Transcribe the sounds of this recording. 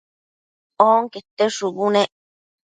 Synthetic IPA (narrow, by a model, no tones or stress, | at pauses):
oːŋket̪ːeʂubuneʔ